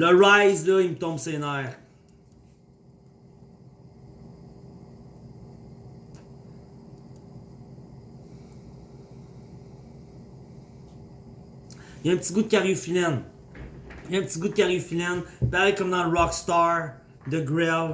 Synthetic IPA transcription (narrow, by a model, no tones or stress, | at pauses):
ləʁajzlʌimət̪ɔ̃bsenaːʁ | jaɛ̃pət̪iɡud̪̚kʲaʁjufilɛn | jɛ̃pət̪iɡud̪̚kʲaʁjyfilɛnpaʁɛkɔmd̪ɑ̃ləʁɑkst̪ɑɹ | d̪əɡɹɛl